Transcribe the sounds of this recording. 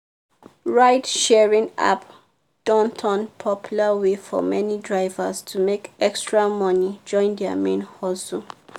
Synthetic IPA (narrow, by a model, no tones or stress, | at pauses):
ɹaɪtʃɛɹĩŋa̰p | d̥ɔ̃ntʰɔ̃npʰɔpʰjulawefɔ̰mɛnidɹaɪvastʰumekɛkstɹamɔnid͡ʒɔ̃ɪ̃ndɛa̰mḛ̃nhɔsu